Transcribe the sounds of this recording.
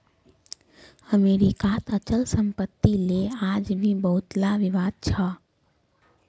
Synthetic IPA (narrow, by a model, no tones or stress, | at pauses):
əmeɾikat̪ət͡ʃəlsəmpət̪ːilead͡ʒbʱibəɦut̪laʋɪʋaːd̪̚t͡ʃʰə